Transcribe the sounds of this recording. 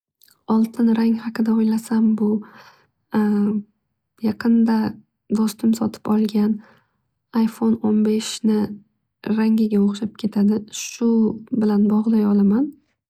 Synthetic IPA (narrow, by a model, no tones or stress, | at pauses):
ɒlˠt̪ʰɪnɾaŋʲhɑqʰɨd̪aɒjlasambʊ | jɑqʰɨnd̪a | d̪ɒst̪ɪmsɒt̪ʰɪ̥pɒlˠɡʲan | ajfo̞nonbe̞ʃnɪ | ɾaŋʲɪɡʲaoqʃɪp̚kʲʰe̞t̪ʰad̪ɪʃʊbɪlanbɒʁd̪ajɒlaman